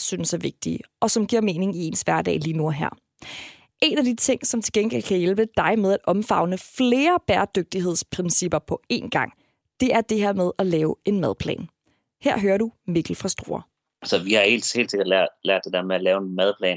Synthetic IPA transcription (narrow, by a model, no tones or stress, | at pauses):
synəsæɐʋe̝ɡ̥̚d̥ḭɒ̽sɒ̽mɡ̥iɐ̰me̝ːne̝ŋie̝ːnsʋæɐd̥ɛ̰ːliːnuæɦæɐ̰ | ʔe̝ːnæd̥it͡sʰe̝ŋ̰sɒ̽mt͡sʰe̝lɡen̰ɡ̥el̰kʰæjelb̥əd̥ɑ̈ɪmeð̞ˠæd̥ɒ̽mfɑ̈ʊnəfle̝ːɐb̥æːɐd̥øɡ̥̚d̥iɦe̝ð̞̰ˠspʰʁɛnsib̥ɐpʰɒ̽e̝̰ːnɡ̥ɑ̈ŋ̰ | d̥e̝ʔæɐd̥e̝ɦeɐ̰með̞ˠælɛːʊe̝nmæð̞ˠpʰlɛ̰ːn | heɐ̰ɦøːɐɾumiɡ̥l̩fʁɑ̈sd̥ʁo̝ːɐ | sɒʋihɑ̈he̝̰ːld̥she̝̰l̥se̝ɡ̥ɐd̥læɐ̰̥læɐ̰d̥e̝d̥eɛɐmeælɛːʊenmæð̞ˠpʰlɛ̰ːn